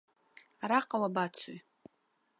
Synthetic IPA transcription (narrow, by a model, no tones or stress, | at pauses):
aɾaqʼawabat͡sʰuj